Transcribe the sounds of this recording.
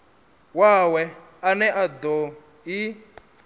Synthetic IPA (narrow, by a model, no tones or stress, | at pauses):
wawɛ | anɛʔad̪ɔ | i